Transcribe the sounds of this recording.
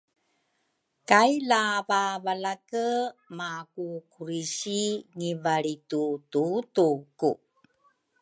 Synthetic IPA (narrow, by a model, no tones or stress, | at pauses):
kajlavavalakəmakukuɾiɕiŋivaɭitututuku